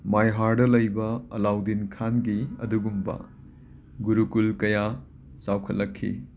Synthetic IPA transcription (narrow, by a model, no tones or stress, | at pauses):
majɦaɾdɐlɐjbɐɐ̰lawdinkʰanɡiɐ̰duɡumbɐ̰ | ɡuɾukulkɐja | sawkʰɐlːɐkʰːḭ